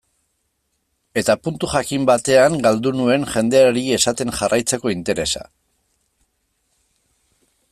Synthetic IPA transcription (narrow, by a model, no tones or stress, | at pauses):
e̞t̪apunt̪uʝakimbat̪e̞aŋɡald̪unue̞nʝe̞nd̪e̞aɾie̞sat̪e̞nʝarʔajt͡se̞ko̞int̪e̞ɾe̞sa̰